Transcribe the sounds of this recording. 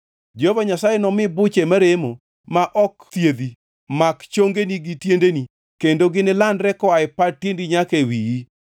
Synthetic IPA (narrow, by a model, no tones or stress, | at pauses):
d͡ʒovaɲasajenɔmɪbʊt͡ʃemaɾemo | maʔɔkt̪jed̪i | makt͡ʃoŋɡeniɡitjendeni | kendoɡɪnɪlandɾɛkɔaɪpatjendiɲakewiji